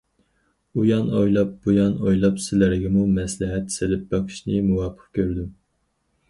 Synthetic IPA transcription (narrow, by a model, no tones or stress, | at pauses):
ujɑnojlˠɑp̚bujɑnojlˠɑpsɪlæɾɡʲɛmumɛslɪɦɛt̪ːsɪlɪp̚bɑqʰɨ̥ʃnɪmuwɑːpʰə̥qkʲøɾd̪ym